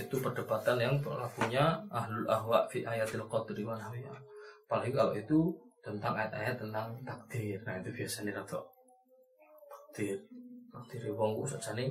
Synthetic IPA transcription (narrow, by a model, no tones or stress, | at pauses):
it̪upərd̥apat̪anjaŋplakuɲaʔaɦlʊlʔaɦwaʔfiʔajat̪alqɔt̪ɾimanhawiapalikalo̰ʔit̪ut̪ənt̪aŋajat̪a̰jat̪ːənt̪aŋt̪ak̚d̪̥ɪrnait̪ub̥iasaniɾat̪ʰɔ̰ʔ | t̪ḁk̚d̪̥ɪrt̪ak̚d̪̥iɾiwɔŋkṵsɔ̰ʔt͡ʃanɪ